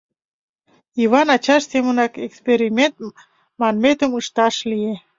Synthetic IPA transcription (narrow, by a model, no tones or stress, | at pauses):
iβɑnɑt͡ɕɑʃsemənɑkekspeɾimʲent̪̚ | mɑnmet̪əməʃt̪ɑʃlie